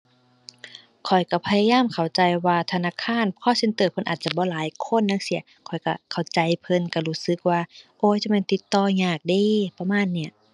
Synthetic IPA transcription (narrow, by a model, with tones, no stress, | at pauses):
kʰɔ˨˩jka˧˩pʰa˧jaː˧jaː˧˥˨mkʰa˨˩wt͡ɕa˧jwaː˧t̪ʰa˧naː˧˨kʰaː˧˥˨nkʰɔː˧˥˨se˧˥˦nt̪ɤː˧˩pʰɤ˧˥˨nʔaː˨˩t̪̚t͡ɕa˧˩bɔː˧˦laː˨˦jkʰo˧˥˨nːaː˧˥˨ŋsi˨˦ɐkʰɔ˨˩jka˧˩kʰa˨˩wt͡ɕa˧jpʰɤ˧˨nka˧˩luː˧˥˩sɯ˧˦k̚waː˧ʔoː˧˦˨jt͡ɕa˧˦mɛ˧˥˨t̪i˧˦t̪ːɔː˧ɲaː˨˩k̚diː˧pa˧maː˧˥˨nːi˧˩ɐ